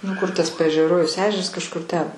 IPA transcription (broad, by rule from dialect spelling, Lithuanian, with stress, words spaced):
nʊ kʊr tɐs pɐɛʒʲɛˈroːjɛʊs ˈæːʒʲɛrɐs kɐʃˈkʊr tʲɛn